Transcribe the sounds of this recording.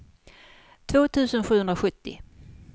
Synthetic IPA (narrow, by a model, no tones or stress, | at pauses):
t̪ʰvoːt̪ʰʉ̟ːsənɧʉ̟ːɵnd̪ɾaɧɵt̪ːɪ̰